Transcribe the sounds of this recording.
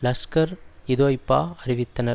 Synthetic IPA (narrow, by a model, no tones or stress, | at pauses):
lɐskɐɾɪðoɐɪpːa̰ːɐɾɪʋɪt̪ːɐnɐɾ